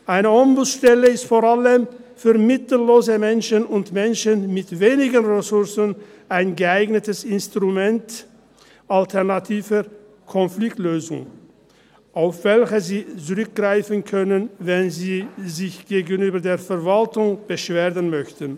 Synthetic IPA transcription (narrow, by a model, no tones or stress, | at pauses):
ʔaɪnəʔɔmbusʃtɛləɪstfoːɐʁaləmfyːɐmɪtl̩loːzəmɛnʃənʊntmɛnʃənmɪtveːnɪɡənʁɛsʊɐsən | ʔaɪnɡəaɪɡnətəsɪnstʁumɛnt | ʔaltʰɛʁnatʰiːvə | kʰɔnflɪktløːzʊŋ | ʔaʊfv̥ɛlçəziːt͡sʊʁʏk̚ɡ̥ʁaɪfən̩kʰœnənvɛnziːzɪçɡ̥eːɡənyːbɐdeːɐfɛɐvaltʊŋb̥əʃv̥eːʁənmœçtən̩